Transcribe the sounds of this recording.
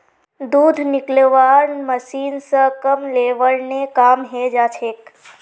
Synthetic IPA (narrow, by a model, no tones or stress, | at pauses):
d̪uːd̪ʱnɪkleʋaːɾnməsiːnsəkəmleːʋəɾnekaːmɦed͡ʒaːt͡ʃʰeːk